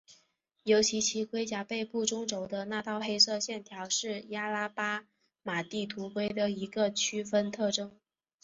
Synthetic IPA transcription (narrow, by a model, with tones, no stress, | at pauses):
jo˧˥ʊt͡ɕʰi˧˥t͡ɕʰi˧˥kwe˥ɪt͡ɕja˧˥pe˥˧ɪpu˥˩ʈ͡ʂʊ˥ŋʈ͡ʂo˨˩ʊd̪ə˦na˥˧t̪ɑ˥˩ʊxe˥ɪsɤ˥˧ɕjɛ˥˩nt̪ʰjɑ˧˥ʊʂɻ̩˥˩ja˥la˥pa˥ | ma˨˩t̪i˥˩t̪ʰu˧˥kwe˥ɪd̪ə˨i˧˥ɡə˧t͡ɕʰy˥fə˥nt̪ʰɤ˥˩ʈ͡ʂɤ˥ŋ